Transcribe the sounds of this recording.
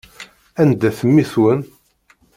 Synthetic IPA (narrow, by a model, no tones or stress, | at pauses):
ænd̪æθəmːiθwən